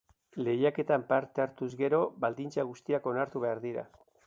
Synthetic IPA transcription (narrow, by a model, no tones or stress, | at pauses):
le̞jake̞t̪ampaɾt̪eaɾt̪uzɣe̞ɾo̞βald̪int͡saɣ̞ust̪iako̞naɾt̪uβe̞aɾðiɾa̰